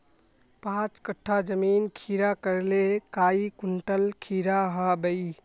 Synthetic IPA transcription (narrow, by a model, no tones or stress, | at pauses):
pãt͡ʃkəʈʰːad͡ʒəminkʰiɾakəɾlekaikuɳʈəlkʰiɾaɦəbəi